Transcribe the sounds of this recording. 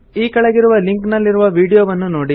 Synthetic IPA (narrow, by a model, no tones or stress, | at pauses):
iːkɐɭɐɡiɾuʋɐliŋknɐlːiɾuʋɐʋiːɽijoːʋɐnːunoːɽi